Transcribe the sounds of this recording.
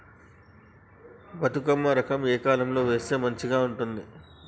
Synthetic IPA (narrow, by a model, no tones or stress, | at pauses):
bɐt̪ukɐmːɐɾɐkʰɐmeːkaːlɐmlo̞ːʋe̞ːse̞ːmɐɲt͡ʃiɡaːuɳʈund̪i